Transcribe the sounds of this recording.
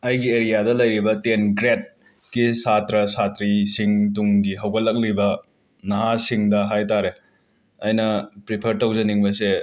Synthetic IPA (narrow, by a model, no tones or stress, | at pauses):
ɐjɡieɾijadɐlɐjɾibɐtenɡɾet̚ | kisatɾɐsatɾisiŋtuŋɡiɦɐwɡɐlːɐk̚libɐ | nɐɦasiŋdɐɦajtaɾe | ɐjnɐpɾipʰɐɾtɐwd͡ʒɐniŋbɐse